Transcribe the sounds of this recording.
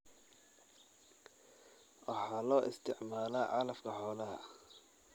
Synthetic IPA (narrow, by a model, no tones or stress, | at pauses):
wɑħɑːlɔːʔɪst̪ʰɪʕmaːlaːʕɑlɐfkʰɐħɔːlɐɦɐ̰